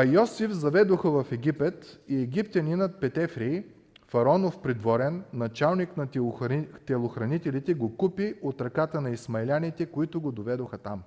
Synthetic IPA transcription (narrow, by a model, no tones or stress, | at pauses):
ɐjɔsifzɐvɛd̪oxəvɐfɛɡ̟ʲipɛt̪iɛɡip̚t̪ʲɐninət̪̚pɛt̪ɛfɾiː | fɐɾɔnofpɾid̪vɔɾɛnːɐt͡ʃalˠniknɐ | t̪ɛlˠoxɾɐnit̪ɛlit̪ɛɡokupiot̪ɾɐkat̪ənɐismɐɛlʲanit̪ɛkoit̪ʊɡod̪ovɛd̪oxɐt̪am